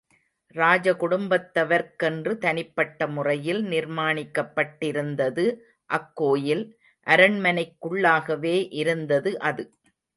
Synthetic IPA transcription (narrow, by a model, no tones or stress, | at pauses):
ɾaːd͡ʒɐkʊɽʊmbɐt̪ːɐʋɐɾkɛndrɯt̪ɐnɪpːɐʈːɐmʊrɐjɪlnɪɾmaːɳɪkːɐpːɐʈːɪɾɯnd̪ɐðɯ | ʔɐkːoːjɪl | ʔɐɾɐɳmɐnɐɪkːʊɭːaːɣɐʋeːʔɪɾɯnd̪ɐðɯʔɐðɯ